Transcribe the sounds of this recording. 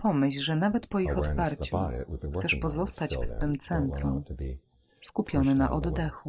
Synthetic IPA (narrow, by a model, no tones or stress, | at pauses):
pɔmɘɕʐɛnavɛt̪pɔixɔt̪faɾtt͡ɕuxt̪sɛʂpɔzɔst̪at͡ɕfsfɘmt̪sɛnt̪ɾum | skupʲjɔnɘna̰ʔɔd̪d̪ɛxu